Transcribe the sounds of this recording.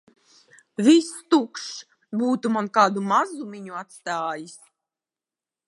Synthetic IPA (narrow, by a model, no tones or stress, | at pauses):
vʲist̪ukʃ | buːt̪umankaːd̪umazumʲiɲuat̪st̪aːjis